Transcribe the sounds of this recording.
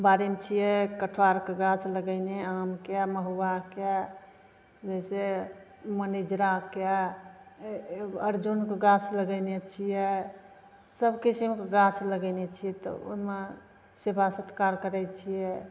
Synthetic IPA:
baɾimt͡ʃʰijɛkəʈʰwaɾkeɡat͡ʃʰləɡəneamkɛməɦuwake | d͡ʒɛse | mənid͡ʒɾake | əɾd͡ʒunkeɡãt͡ʃʰləɡənet͡ʃʰijɛ | səbʱkisimkeɡat͡ʃʰləɡəɪnet͡ʃʰiɛt̪ɔ̰o̰ɦme | sebʱasət̪kaɾkəɾɛt͡ʃʰijɛ

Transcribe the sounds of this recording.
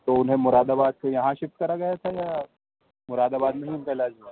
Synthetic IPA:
t̪oʊnɦẽmʊɾaːd̪aːbaːd̪̚kʰejɐɦãʃɪft̪̚kɐɾaɡɐjat̪ʰajaː | mʊɾaːd̪aːbaːd̪nɐɦĩʊpɛɦlad͡ʒi

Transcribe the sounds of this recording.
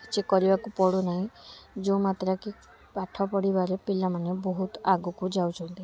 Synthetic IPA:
t͡ʃekɔɾibakupɔɽonaɦĩd͡ʒomat̪ɾaki | paʈʰɔpɔɽibaɾepilamanebɔɦut̪aɡukud͡ʒawt͡ʃʰɔnt̪i

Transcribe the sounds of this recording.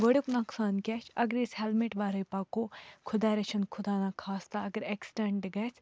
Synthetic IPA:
ʋɐɽʲuknaksaːnkʲet͡ʃʰɐɡɾishelmeʈʋaːɾɐjpaːkokʰʊd̪aːɾɐt͡ʃʰɐnkʰʊd̪aːnakʰaːst̪aɐɡəɾeksʈeɳɖɡɐjs

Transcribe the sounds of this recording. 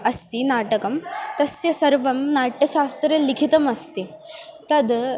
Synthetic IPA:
ɐst̪inaʈəkɐmt̪ɐsjɐsɐɾʋɐmnaʈjɐɕast̪ɾelikʰit̪əmɐst̪i | t̪ɐd̪

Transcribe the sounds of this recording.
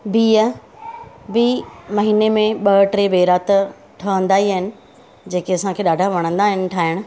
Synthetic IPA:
biːə | biːmɐɦiːnemẽɓɐʈɾebeːɾaːt̪ə | ʈʰɐɦə̃nd̪aːiaɦɪnɪ̆ | d͡ʑeːkeɐsãkʰeːɗaːɖʱaʋɐɽ̃ə̃nd̪aːɦɪnɪ̆ʈʰaːɦɪɽ̃ʊ̆

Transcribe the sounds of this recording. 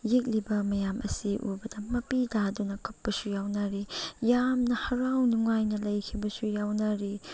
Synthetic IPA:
jik̚libɐmɐjamʔɐ̰siʔubɐdɐmɐpidadunɐkʰɐpːɐsujawnɐɾijamnɐhɐɾawnuŋajnɐlɐjkʰibɐsujawnɐɾi

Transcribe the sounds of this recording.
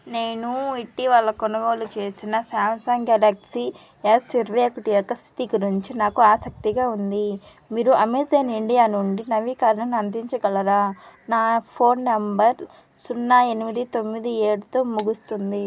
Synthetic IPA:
ne̞ːnuiʈːiʋalːɐkɔnɐɡoːlut͡ʃe̞ːsinɐsaːmsaːŋɡaːlaːksi | esiɾʋeːkuʈijɔkːɐst̪ʰi̥t̪iɡuɾiɲt͡ʃinaːkuaːsɐk̚t̪iɡaːund̪i | miːɾuʔɐmit̪eːniɳɖijaːnuɳɖinɐʋiːkaːɾnɐnɐnd̪iɲt͡ʃɐɡɐlɐɾaːnaːpʰo̞ːnːɐmbɐɾ | sunːae̞nimid̪it̪o̞mːid̪ieːɽut̪oːmuɡust̪und̪i

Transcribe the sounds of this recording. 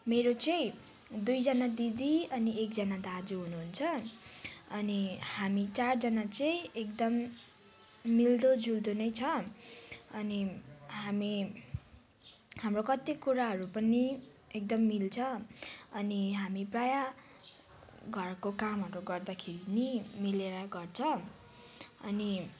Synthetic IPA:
meɾot͡sʌĩ | d̪ujd͡zʌnad̪id̪iʌniek̚d͡zʌnad̪ad͡zuɦunuɦunt͡sʰʌ | ʌnihamit͡sard͡zʌnat͡sʌĩekd̪ʌm | ild̪od͡zuld̪onʌjt͡sʰʌ | ʌniɦami | hamrokʌt̪ikuɾaɦʌɾupʌni | ek̚d̪ʌmːilt͡sʰʌʌniɦamipraja | ɡʱʌrkokamɦʌɾuɡʌrd̪akʰeɾinimileɾaɡʌrt͡sʰʌ | ʌni

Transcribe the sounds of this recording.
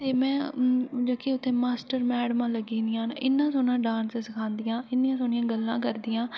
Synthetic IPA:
t̪eːmɛ̃ːd͡ʒoːkiʊt̪ʰːẽːmaːsʈəɾmɛːɽəmãːləɡiːniãːnʔɪnːãːsoːnãːɖãːnsɪsəkʰãːnd̪ɪjãːɪnːɪjãːsoːnɪjãːɡəlːãːkəɾd̪ijãː

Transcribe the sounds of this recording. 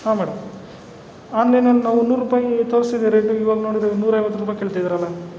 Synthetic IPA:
haːmɛːɽɐm | aːnlɐjnɐlːnaːʋunuːɾːuːpaːjit̪oːɾsid̪eɾeʈːuiʋaːɡɐnoːɽid̪enuːɾɐjʋɐt̪ːuɾuːpaːjkeɭt̪id̪iɾɐlːɐ

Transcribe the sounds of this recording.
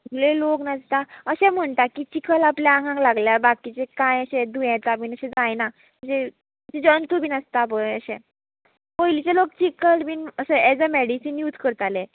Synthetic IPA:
ɡleloknad͡zt̪aəɕɛ̃m̤əɳt̪akit͡ɕikʰəlapljaaŋɡʱãŋlaɡljabakit͡sekãjəɕed̪ujãt͡sabiːnəɕɛ̃d͡zajna | əɕe | t͡sed͡ʑənt̪ubiːnəst̪abəəɕẽ | pəjlit͡selok̚t͡ɕikəlbinəsəɛd͡zəmeɽisinjut̪kəɾt̪ale

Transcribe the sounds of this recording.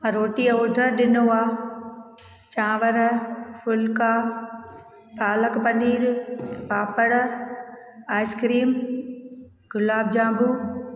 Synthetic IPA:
ɐ̃ɾoːʈiːoːɖʱəɾɗɪnoaː | t͡ʃãːʋəɾfʊlkaː | t̪aːləkpɐniːɾpaːpəɽ | aːɪskɾiːm | ɡʊlaːb̚d͡ʒãːbuː

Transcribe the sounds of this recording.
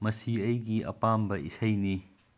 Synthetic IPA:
mɐsiɐjɡiɐ̰pambɐisʰɐjni

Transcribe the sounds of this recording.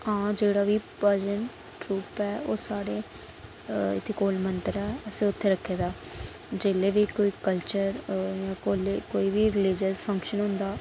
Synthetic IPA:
ɦãːd͡ʒeːɽaːʋiːpəd͡ʒən | ʈɾuːpɛːoːsaːɽeː | ɪ̰t̪ʰːeːkoːlmənt̪əɾɛːəsẽːʊt̪ʰːeːɾəkʰːeːd̪aː | d͡ʒeːleːʋiːkoːiːkəlt͡ʃəɾjãːkoːlekoːiːʋiːɾɪlɪd͡ʒəspʰə̃ŋkʃənɦʊ̃nd̪aː

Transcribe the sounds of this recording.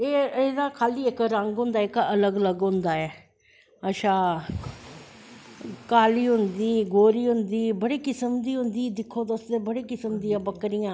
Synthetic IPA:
eːed̪aːkʰaːliːɪkɾəŋɡɦʊ̃nd̪aːɪkələɡələɡɦʊ̃nd̪aːɛː | əʃãː | kaːliːɦʊnd̪iːɡoːɾiːɦʊnd̪iːbəɽiːkɪsəmd̪iːɦʊnd̪iːd̪ɪkʰːoːd̪osd̪eːbəɽiːkɪsəmd̪iːãːbəkɾɪjãː

